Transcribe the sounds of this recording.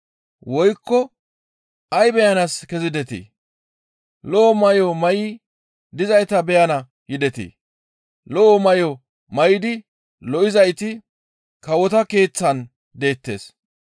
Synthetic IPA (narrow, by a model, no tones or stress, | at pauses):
wɔjkːɔ | ʔɐjbɛjɐnɐskɛzɪd̪ɛt̪ḭ | lɔʔːmɐjɔmɐjɪ | d̪ɪzɐjt̪ɐbɛjɐnɐ | jɪd̪ɛt̪ḭ | lɔɔmɐjɔ | mɐjɪd̪ɪ | lɔʔɪzɐjt̪ɪ | kɐwɔt̪ɐke̞ːt͡sːɐn | d̪e̞ːt̪ːe̞̰ːs